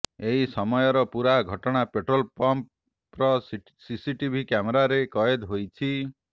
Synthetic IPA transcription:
eɦisɔmɔjɔɾɔpuɾaɡʱɔʈɔɽ̃apeʈɾɔlpɔmp | ɾɔs | sisiʈibʱikjameɾaɾekɔjed̪ɦojt͡ʃʰi

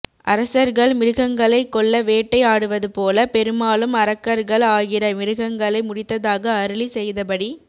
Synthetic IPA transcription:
ʔɐɾɐsɐɾɣɐɭmɪɾɯɣɐŋɡɐɭɐɪkːɔɭːɐʋeːʈːɐɪaːɽɯʋɐðɯpoːlɐpɛɾɯmaːlɯmɐɾɐkːɐɾɣɐɭaːɣɪɾɐmɪɾɯɣɐŋɡɐɭɐɪmʊɽɪt̪ːɐðaːɣɐːɾɯɭisɛjðɐpɐɽi

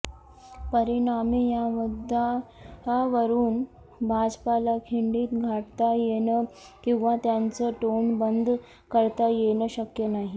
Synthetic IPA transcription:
pəɾiɳamijamud̪ʱːaɦaʋəɾuːn | bʱad͡zpalakʰiɳɖiːt̪ɡʱaʈt̪ajenə | kĩw̃ʋat̪jant͡səʈoɳbənd̪ʱ | kəɾt̪ajenəɕəkjənaɦi

